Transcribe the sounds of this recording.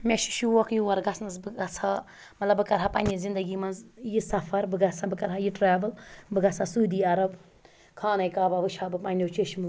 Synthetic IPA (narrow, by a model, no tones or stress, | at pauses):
mʲeʃi̥ʃuwɐkjiwɐɾɡɐsʰnɐzbɨɡɐt͡sʰa | mɐt̪lɐbɨkɐɾɦapɐnʲizind̪ɐɡiːmɐnzjisɐfʰɐɾbɨɡɐt͡sʰabɨkɐɾɦajiʈɾaːʋɨlbɨɡɐt͡sʰaːsuːd̪iːɐɾɐb | kʰaːnɐjkaːbaʋɨʃʰaːbɨpɐnʲot͡ʃeʃim